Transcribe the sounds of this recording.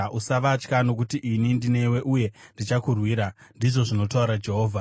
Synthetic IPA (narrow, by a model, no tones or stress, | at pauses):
usaʋat͡ʃkano̞k̬utiʔinindine̞we̞ʔuje̞ndit͡ʃakurwiːɾandiʐo̞ʐino̞tauɾad͡ʒe̞ɦo̞ːvʱa